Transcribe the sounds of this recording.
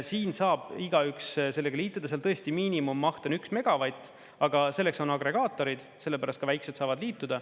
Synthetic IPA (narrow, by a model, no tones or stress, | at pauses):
siːnsɑːb̥iɡɑyksse̞lːe̞ɡ̥ɑliːt̪ːˑud̪ɑseɑlt̪ɤ̞est̪imiːnimumːɑht̪o̞nyksme̞ɡ̥ɑvɑjt̪ːˑ | ɑɡ̥ɑse̞lːe̞kso̞nɑɡɾe̞ɡ̥ɑːt̪ːˑo̞ɾid̪̥se̞lːe̞pæɾɑst̪kɑvæjksed̪sɑːvɑd̪liːt̪ːud̪̥ɑ